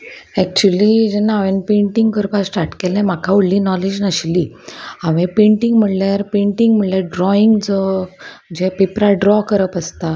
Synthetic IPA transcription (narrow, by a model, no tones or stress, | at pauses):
ɛk̚t͡ɕuəlid͡ʑenaʋenpẽɳʈiŋɡkəɾpasʈaʈkelnɛ̃m̤akʰauɽlːinɔled͡ʑnəɕliː | aʋepẽɳʈiŋɡm̤əɽljaɾpẽɳʈiŋɡm̤əɽljaɖɾɔiŋɡd͡zɔ | d͡ʑepepɾaɖɾɔkəɾəpəst̪a